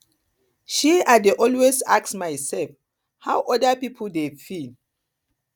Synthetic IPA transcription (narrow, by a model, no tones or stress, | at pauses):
ʃiadeʔɔlwesaksmajsɛlf | hawʔɔdapipʰoldefil